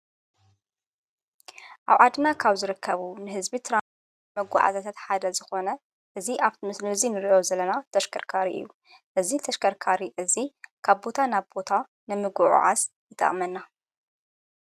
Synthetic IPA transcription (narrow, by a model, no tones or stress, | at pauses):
ʔaβʕad̪nakʰaβzɨɾɨkʰːɐβunɨɦɨzbit̪ʰɨɾa | mɐɡʷa̰ʕa̰zat̪ʰat̪ħad̪ɐzɨxo̞nɐ | ʔɨziʔaβt̪ʰimɨslɨɨzinɨɾiʔo̞zɐlɐnat̪ʰɐʃkʰɐɾkʰaɾḭʔɨ̰jːu | ʔɨzit̪ʰɐʃkʰɐɾkʰaɾiʔɨzikʰaβbo̞t̪ʰanaβbo̞t̪ʰa | nɨmɨɡuʕṵʕa̰zjɨt̪ʰːa̰ʔmɐnːa